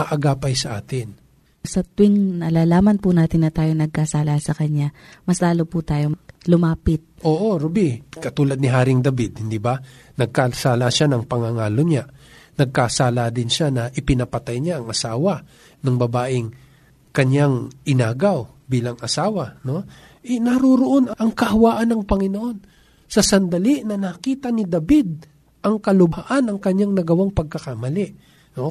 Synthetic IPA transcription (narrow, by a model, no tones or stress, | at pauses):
ɐʔɐɡaːpɐjsɐʔaːt̪ɪn | sɐt̪wɪŋnɐlaːlaːmɐnpʊnaːt̪ɪnːɐt̪aːjoŋnɐɡ̚kasaːlasɐkɐɲamɐslaːloput̪aːjo̞lʊmaːpɪt̪̚ʔo̞ːʔo̞ɾobikɐt̪uːlɐd̪̚nɪɦaːɾɪŋd̪ɐbid̪̚hɪnd̪iba | nɐɡ̚kasaːlaʃanɐŋpɐŋaŋaːloɲanɐɡ̚kasaːlad̪ɪnʃanɐʔɪpɪnɐpɐt̪ajɲaʔɐŋɐsaːwɐ | nʊŋbɐbaːʔɪŋ | kɐɲjaŋʔɪnaːɡaw | biːlɐŋʔɐsaːwɐno̞ | ʔɛnɐɾoɾoʔo̞nɐʔɐŋkɐhɐwaːʔɐnːɐŋpɐŋɪnoʔo̞n | sɐsɐnd̪ɐliʔnɐnɐkiːt̪ɐnɪd̪ɐbid̪̚ | ʔɐŋkɐlʊbaʔanɐŋkɐɲaŋnɐɡɐwaŋpɐɡ̚kɐkamɐlɪʔ | no